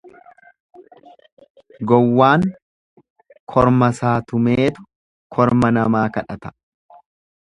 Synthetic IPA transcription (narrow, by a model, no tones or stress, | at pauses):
ɡɔwːaːŋ | kʰɔɾmɐsaːt̪ʊmeːt̪ʊ | kʰɔɾmɐnɐmaːkɐᶑɐt̪ɐ̥